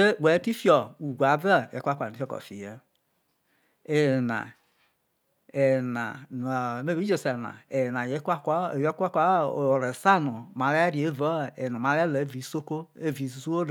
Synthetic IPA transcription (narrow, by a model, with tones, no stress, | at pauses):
e˦˨we˨˦ti˦fi˦ɔ˨u˨ɡʷa˨˦vɛ˦˨je˨˦kʷa˦kʷa˨i˦fɔ˦kɔ̰˨fḭ˨je˦ | e˨na̰˨ | e˨na̰˨me˦vi˦d͡ʒe˨se˨na̰˨e˨na˨je˦kkjkʷa˦kʷa˦˨ɾe˨sa˦nu˨ma˨ɾɛ˦ɾi˨e˦vɔ˦˨e˨na˨ma˨˧ɾɛ˦le˨e˦vi˨˦so˦ko˦e˦vi˨˦zu˦o˦